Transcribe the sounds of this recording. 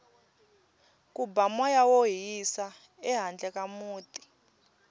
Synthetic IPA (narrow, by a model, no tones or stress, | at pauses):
kubamwajawoɦisa | ɛɦand͡ɮɛkamuːtʼi̥